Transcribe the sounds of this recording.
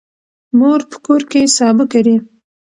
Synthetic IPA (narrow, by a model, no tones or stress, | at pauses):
moɾpə̥koɾkesɑbɪkaɾi